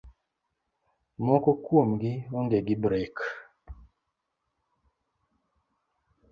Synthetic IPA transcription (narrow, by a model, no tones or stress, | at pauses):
mɔkɔkwomɡioŋɡeɡibɾek